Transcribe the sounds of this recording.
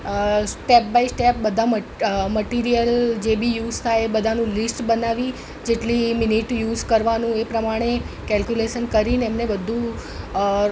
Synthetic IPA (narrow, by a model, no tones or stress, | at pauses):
sʈep̚baisʈep̚bəd̪ʱamməʈiɾijəld͡ʒebʱijuzt̪ʰajebəd̪ʱanũlisʈbənaʋi | d͡ʒeʈlimɪniʈjuzkəɾʋanũepɾəmaɽ̃e | kɛlkjuleʃənkəɾineɛmnebəd̪ʱːũ